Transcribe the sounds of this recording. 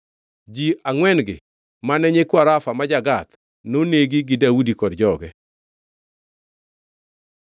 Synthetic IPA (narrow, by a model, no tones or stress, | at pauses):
d͡ʒiaŋwɛnɡɪ̰ | manɛɲekwaɾafamad͡ʒaɡat̪ | noneɡiɡɪdawudikɔdd͡ʒɔɡɛ